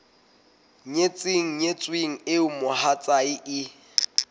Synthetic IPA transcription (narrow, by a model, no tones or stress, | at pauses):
ɲet͡sʼɪŋ̩ɲet͡sʼweŋ̩ɪʊmʊhat͡sʼaɪʔɪ